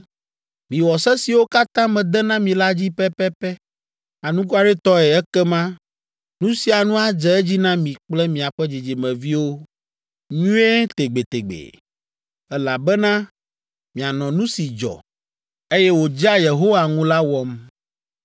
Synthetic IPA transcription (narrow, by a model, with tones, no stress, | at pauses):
mĩ˨wɔ˨sɛ˦si˨wo˦ka˦t̪ã˦mɛ̃˨d̪ɛ˦nã˦mĩ˨la˦d͡ʑi˦pɛ˦pɛ˦pɛ˦ | a˨nũ˦k̬u˦a˨ɖɛ˦t̪ɔ˦ɛ˨ɛ˦kɛ˦mã˦ | nũ˦si˨a˨nũ˦a˨d͡ʒɛ˦ɛ˦d͡ʑi˦nã˦mĩ˨k͡plɛ˦mĩ˨a˨ɸɛ˦d͡ʑi˨d͡ʑi˨mɛ̃˨vi˦wo˦ | ɲũ˦e˦t̪e˨ɡ͡be˨t̪e˨ɡ͡bḛ˨ | ɛ˦la˨bɛ˦nã˦ | mĩ˨a˨nɔ̃˨nũ˦si˨d͡ʒɔ̰˨ | e˦jɛ˦wo˨d͡ʒa˦je˨ɦo˦wa˨ŋũ˦la˦wɔ˦m